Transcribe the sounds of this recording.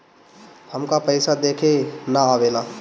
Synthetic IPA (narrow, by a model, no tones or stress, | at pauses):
həmkapəɪsad̪eːkʰenaaːʋeːlaː